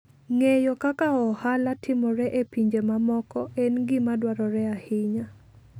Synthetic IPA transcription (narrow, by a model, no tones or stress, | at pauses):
ŋejɔkakaɔhalatʰɪmɔɾɛʔepiɲd͡ʒemamɔkɔɛnɡɪmadwaɾɔɾɛahɪɲa